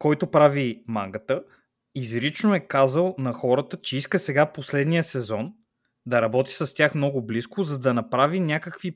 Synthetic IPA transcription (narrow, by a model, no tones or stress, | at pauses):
kɔjt̪opɾavima̰ŋɡət̪ə | izɾit͡ʃnoɛkazəlˠnɐxɔɾət̪ət͡ʃɛiskəsɛɡaposlɛd̪nijəsɛzɔn | d̪ɐɾɐbɔt̪i̥sɐst̪ʲjaxmnɔɡʊbliskʊzɐd̪ɐnɐpɾavinʲakəkvi